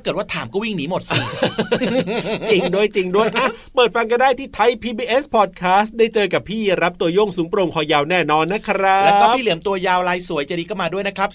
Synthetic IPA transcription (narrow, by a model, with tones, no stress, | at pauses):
a˥˩kɤ˨˩t̪̚wa˥˩t̪ʰaː˩˦mkɔ˥˩wi˥˩ŋniː˦˥mo˨˩t̪̚siː˧˩ | t͡ɕi˧ŋdu˥˩əjt͡ɕi˧ŋdu˥˩əjʔaː˧˩pɤː˨˩t̪̚fa˧ŋka˧ndaː˥˩jt̪ʰiː˥˩t̪ʰa˧jpʰiː˧biː˧ʔe˦˥spʰɔː˨˩t̪̚kʰaː˦˥st̪̚daː˥˩jt͡ɕɤː˧ka˨˩pʰiː˥˩ɾa˦˥p̚t̪u˧ɐjo˥˩ŋsuː˩˦ŋpɾo˧ŋkʰɔː˧jaː˧wnɛː˥˩nɔː˧nːa˦˥kʰɾa˦llːkɔː˥pʰiː˥˩i˨˩˦əmt̪u˧ɐjaː˧wlaː˧jsu˨˩˦jt͡ɕa˨˩diː˧kʰa˥˩maː˧du˥˩əjna˦˥kʰɾa˦˥p̚